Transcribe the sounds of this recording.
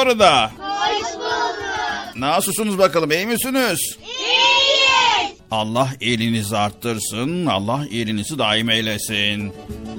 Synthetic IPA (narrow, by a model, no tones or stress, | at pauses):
oɾad̪a | naːsɯlˠsunuzbakalˠɯmejmisynyz̥ | ɑlˠːaɦelʲinizaɾt̪ʰːɯɾsɯna̰lˠːahelʲinizid̪aːimejlʲesin